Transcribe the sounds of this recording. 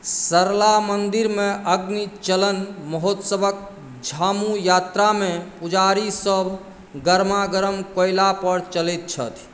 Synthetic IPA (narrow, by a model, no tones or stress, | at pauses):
səɾlamənd̪iɾmeʔəɡnit͡ʃələnməɦot̪səbʱək̚ | d͡ʒʱamujat̪ɾamẽpud͡ʒaɾisəbʱ | ɡəɾmaɡəɾəmkojlapəɾt͡ʃəlet̪̚t͡ʃʰə̰t̪ʰ